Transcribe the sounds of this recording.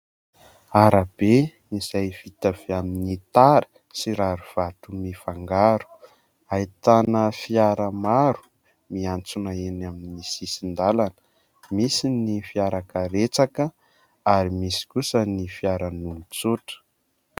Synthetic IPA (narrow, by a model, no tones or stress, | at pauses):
aɾab̥e | iz̥ajv̥it̪av̥eaminit̪aɾə̥ | siɾaɾuv̥at̪umifaŋɡaɾu̥ | ait̪anəfiaɾəmaɾu̥ | miant͡sunaenaminisisind̪alanə̥ | misinifiaɾakəɾet͡sakə | aɾimisi̥kusənifiaɾanumit͡suʈ͡ʂə̥